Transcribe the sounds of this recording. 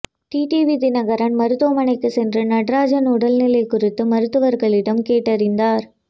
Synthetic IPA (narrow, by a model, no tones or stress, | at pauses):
ʈiːʈiːʋid̪ɪnɐɣɐɾɐnmɐɾɯt̪ːoːmɐnɐɪkːɯsɛndrɐnɐɽraːd͡ʒɐnʊɽɐlnɪlɐɪkʊrɪt̪ːɯmɐɾɯt̪ːɯʋɐɾɣɐɭɪɽɐmkeːʈːɐɾɪnd̪aːɾ